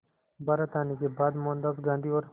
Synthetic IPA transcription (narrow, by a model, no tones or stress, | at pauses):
baːɾət̪aːnekebaːd̪moːnd̪apɡãːnd̪ʱiɔːɾ